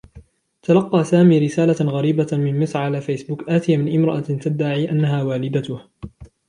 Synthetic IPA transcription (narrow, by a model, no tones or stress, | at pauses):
t̪alɑqːɑːsaːmiːɾɪsaːlaɣaɾiːbamɪnmɪsʕalaːfejsbʊkʔaːt̪ɪjamɪnʔɪmɾˤɑʔat̪ad̪ːaʕiːʔanːaɦaːwaːlɪd̪at̪ʊh